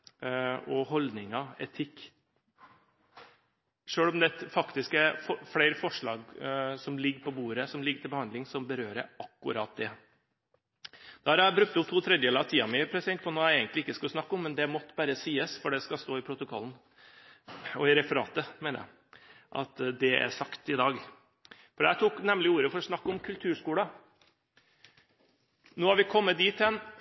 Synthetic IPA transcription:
ɔɦɔld̪nɪŋɑɛt̪ʰɪkː | ʂøːɽɔmd̪ɛt̪fɑkt̪ɪskæfɔfleɪɾəfɔʂɭɑːɡsɔmlɪɡɾpɔbuːɾəsɔmlɪɡːəʈ̪ʰɪlbəhɑnd̪lɪŋsɔmbəɾøːɾə̰ɑkːʊɾɑt̪̚d̪ɛ | d̪̥ɑhɑɾæbɾʉk̚t̪ʊp̚t̪ʰuːt̪ʰɾɛd̪jəɛlɑt̪ʰiːɑmɛpʰɾɛsɪd̪ɛnt̪pʰɔnoːæɛɡənt̪lɪɪkːəskʉlsnɑkːɔmːɛnd̪ɛmɔt̪ːbæːɾəsiːəsfɔɖɛskɑst̪oːɪpʰɾʊt̪ʊkʰɔlːn | ɔɪɾɛfəɾɑ̰ːt̪əmeːnə̰jæ̰ɪ | ʔɑ̰t̪d̪ɛæ̰ʂɑkt̪ɪd̪ɑːɡ | fɔɖæt̪ʰuːknɛmlɪuːɾəfɔɾɔsnɑkːɔmkʰʉlt̪ʰʉːʂkuːlɑ | noːhɑɾʋɪkʰɔmːət̪̚d̪iːt̪ːɛn

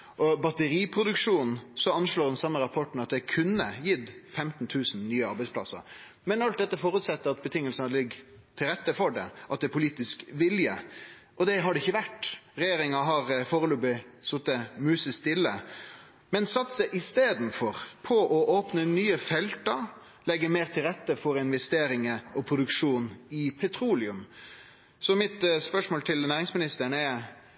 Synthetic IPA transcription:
ʔɔbɑt̪əɾiːpʰɾʊd̪ʉkʂuːnn̩sɔɑnʂloːɾd̪ɛnsɑmːəɾɑpʰɔʈn̩ɑt̪̚d̪ɛkʰʉnːəjɪt̪ːfɛmt̪n̩t̪ʰʉːsn̩nyːəɑɾbæɪspʰlɑ̰sə̰ɾ | mɛnɑlt̪̚d̪ɛt̪ːəfɔːɾʉt̪sɛt̪ːəɾɑt̪bət̪ʰɪŋːəlsənəlɪɡː | t̪ʰɪlɾɛt̪ːəfɔɖɛ̰ʔɑt̪d̪ɛæpʰʊliːt̪ɪskʋɪljə̰ | ʔɔd̪ɛɦɑɖɛɪçːəʋæʈːɾɛjeːɾɪŋɑɦɑɾfɔːɾəlubɪsɔt̪ːəmʉːsəst̪ɪlːə | mɛnsɑt̪ːsəʔɪst̪eːd̪nfɔɾpʰɔʔɔʔoːpnənyːəfɛlt̪ɑ | lɛɡːəmeːɾt̪ʰɪlɾɛt̪ːəfɔɾɪnʋɛst̪eːɾɪŋəɔpʰɾʊd̪ʉkʂuːnɪpʰɛt̪ʰɾuːlɪʉm | sɔmɪt̪spœʂmoːlt̪ʰɪlnæːɾɪŋsmɪnɪst̪əɳɛ

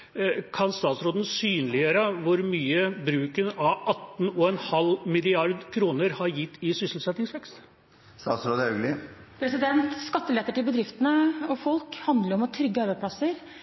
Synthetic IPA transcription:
kʰɑnst̪ɑːt̪sɾoːd̪ən̩syːnlɪəɾəʋʊɾmyːəbɾʉːkənɑʋʔɑt̪ːn̩ɔɛnhɑlmɪlɪɑɾd̪kʰɾuːnəɾhɑɾjɪt̪ːɪsʏsl̩sɛt̪nɪŋsʋɛkst̪ | st̪ɑːt̪sɾoːd̪əœɡlɪpʰɾɛsɪd̪ɛnt̪skɑt̪ːəlɛt̪ːəʈɪlbəd̪ɾɪft̪ənəɔfɔlkhɑnd̪ləɾɔmɔt̪ʰɾʏɡːəɑːɾʋəpʰlɑsːəɾ

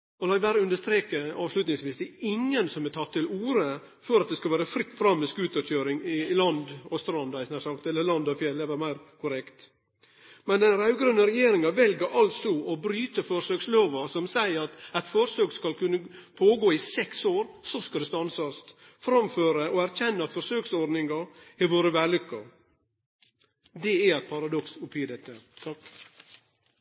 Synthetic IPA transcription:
ɔlɑːʋæːɾəʉnd̪əʂt̪ɾeːkəɑːʋslʉt̪nɪŋsʋiːsd̪ɛɪŋːənsɔmɛt̪ʰɑt̪ʰːɪluːɾə | fɔɾɑt̪̚d̪ɛskɑlʋæːɾəfɾɪt̪ːfɾɑmːɛskʉːt̪əøːɾɪŋɪlɑnd̪ɔst̪ɾɑnd̪ɑɪsnæːʂɑkt̪ɛlːəlɑnd̪ɑfjɛlːɛʋæɾmæɪɾkʰʊɾɛkt̪ | mɛnd̪ɛnɾɑʉɡɾʉnːəɾɛjeːɾɪŋɑʋɛlɡəɾʔɑltsɔɔbɾyːt̪əfɔɾʂøːksloːʋɑsɔmsæɪəɾɑt̪ɛt̪fɔɾsøːkskɑlkʉnːəpʰoːɡoːɪsɛksoːɾsɔskɑld̪ɛst̪ɑnsɑst̪ | fɾɑmføːɾəʔɔæɾçɛnːəɑt̪fɔʂøːksɔɖnɪŋɑɪʋoːɾəʋæːlʏkːə | d̪ɛææɪt̪̚pʰɑɾɑd̪ɔksʊpʰiːd̪ɛt̪ːət̪ʰɑk

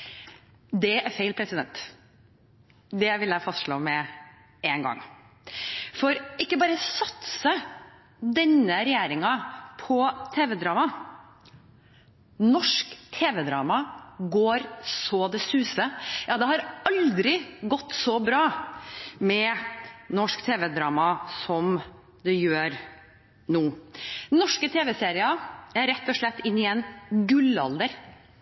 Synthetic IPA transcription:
d̪ɛæɾfeɪlpʰɾɛsɪd̪ɛnt̪ | d̪ɛʋɪlæɪfɑst̪ʂɭo̰ːmɛ | ɛnɡɑ̰ŋː | fɔɾɪkːəbɑːɾəsɑt̪sə | d̪ɛnːəɾɛjæːɾɪŋɑpʰɔt̪ʰeːʋɛd̪ɾɑːmɑ | nɔʂkt̪ʰeːʋɛd̪ɾɑ̰ːmɑɡoːɾsɔd̪ɛsʉːsəjɑːd̪ɛhɑɾɑld̪ɾɪɡɔt̪ːsɔbɾɑː | mɛnɔʂkt̪ʰeːʋɛd̪ɾɑːmɑsɔm | d̪ɛjøːɾ | nuːnɔʂkət̪ʰeːʋɛseːɾɪɑæɾɛt̪ːɔʂɭɛt̪ːɪnːɪɛnɡʉlɑ̰ld̪əɾ

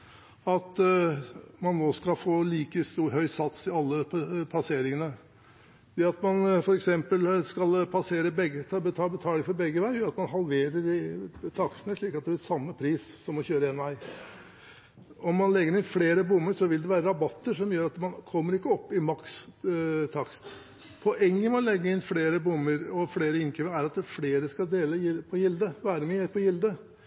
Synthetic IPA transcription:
ɑt̪ | mɑnːoːskɑlfoːliːkəst̪uːhœʏsɑt̪sɪɑlːəpʰɑseːɾɪŋənə | d̪ɛɑt̪mɑnfɔɾɛksɛmpəlskɑlpʰɑseːɾəbɛɡːət̪ʰbət̪ʰɑːbət̪ʰɑːlɪŋfɔɾbɛɡːəʋæɪjɾɑt̪mɑnɦɑlʋeːɾəɖɪt̪ʰɑksənəʂɭiːkɑt̪d̪ɛblɪsɑmːəpʰɾiːs | sɔmɔçøːɾəeːnʋæɪ | ɔmːɑnlɛɡːəɾɪnfleːɾəbʊmːəɾʂɔʋɪld̪ɛʋæːɾəɾɑbɑt̪ːəʂɔmjøːɾɑt̪mɑnkʰɔmːəɾɪkːəɔpːɪmɑks | t̪ʰɑkst̪ | pʰɔʔɛŋːəmɑnlɛɡːəɪnfleːɾəbʊmːəɾɔfleːɾəɪnkʰɛməæɾɑt̪fleːɾəskɑld̪eːləpʰɔjɪld̪əʋæːɾəmɪeɾpɔjɪld̪ə

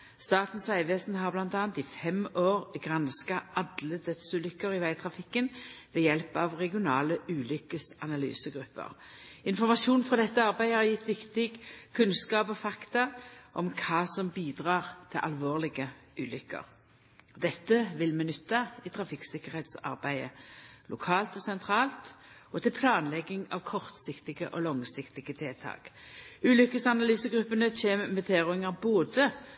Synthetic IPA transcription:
st̪ɑːt̪n̩sʋæɪʋeːsnɦɑʁblɑnt̪ɑːnt̪ɪfɛmoːʁɡʁɑnskɑʔɑd̪ləd̪œt̪sʉːlʏkːəʁɪʋæɪt̪ʰʁɑfɪkːənʋɛːjɛlpɑʋʁɛɡɪʊnɑːləʉːlʏkːəsɑnɑly̰ːsəɡɾʉpːə̰ʁɪnfɔʁmɑʃuːnfʁɑd̪ɛt̪ːəɑʁbæɪhɑʁjɪt̪ːʋɪkt̪ɪɡkʰʉnskɑːpɔfɑkt̪ɑʔɔmkʰɑːsɔmbiːd̪ʁɑːʁt̪ʰɪlʔɑ̰lʋoːʁlɪɡə | ʉːlʏkːə̰ʁ | d̪ɛt̪ːəʋɪlmɛnʏt̪ːɑɪt̪ʰʁɑfɪksɪkəʁhɛt̪sɑ̰ʁbæɪə̰lʔʊkʰɑːlt̪ɔsɛnt̪ʰɾɑːlt̪ɔt̪ʰɪlpʰlɑːnlɛɡːɪŋɑ̰ːʋkʰɔʁt̪sɪkt̪ɪɡə̰ʔɔlɔŋsɪkt̪ɪɡət̪ʰɛːt̪ʰɑ̰ːkʉːlʏkːəsɑnɑlyːsəɡʁʉpːənət͡ʃeːməmɛt̪ʰeːʁʊɪŋɑboːd̪ə

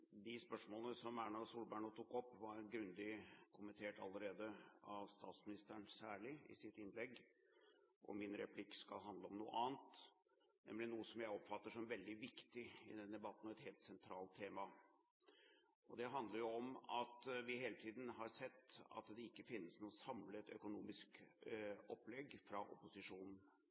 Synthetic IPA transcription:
d̪ɪspœʂmoːlənəsɔmæɳɑsuːlbæːɳut̪ʰukːɔpːʋɑɾɡɾʉnd̪ɪkʰʊmənt̪ʰeːʈɑ̰lːəɾeːd̪əɑʋst̪ɑ̰ːt̪smɪnɪst̪əɳsæːɭɪɪ̰sɪt̪ɪnlɛɡː | ʔɔ̰mɪnɾɛpʰlɪkːskɑ̰lɦɑnd̪ləɔmnṵːə̰ʔɑːnt̪ | nɛ̰mlɪnuːəsɔmjæɪɔpːfɑt̪ːəʂɔmʋɛld̪ɪʋɪkt̪ɪɪ̰d̪ɛnd̪ɛbɑt̪ːn̩ɔʋɛt̪heːlt̪sɛnt̪ʰɾɑːlt̪ʰːeːmɑ | ɔd̪ɛɦɑnd̪ləɾjʊɔmɑt̪ʋɪɦeːlət̪ʰiːd̪n̩ɦɑɾsɛt̪ːɑ̰t̪d̪ɛɪkːəfɪnːəsnusɑmləɛt̪œ̰kʊnuːmɪsk | ɔpːlɛɡfɾɑʔʊ̰pʊsɪʂuːnn̩

